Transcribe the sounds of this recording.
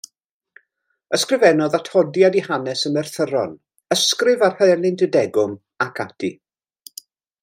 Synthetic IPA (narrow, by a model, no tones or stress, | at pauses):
əskrɪvɛnɔðatʰhɔdjadihanɛsəmɛrθəɾɔn | əskrɪvarhəlˠɪndədɛɡʊm | akʰatʰḭ